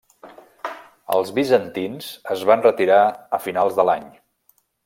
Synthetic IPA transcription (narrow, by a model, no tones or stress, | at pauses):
ə̰lˠzβizənt̪inzəzβanrət̪iɾaəfinalˠzðəlaɲ